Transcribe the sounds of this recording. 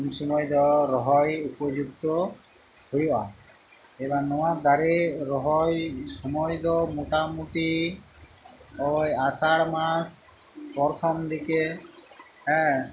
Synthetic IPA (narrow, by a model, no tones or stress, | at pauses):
msɔmɔjd̪ɔɾɔɦɔjupɔd͡ʒuk̚t̪ɔ | hojɔʔa̰ | ebanɔwaɾd̪aɾeɾɔɦɔjsɔmɔjd̪ɔmuʈamuʈi | ɔjasaɽmas | pɔɾt̪ʰɔmd̪ike | ɛ̃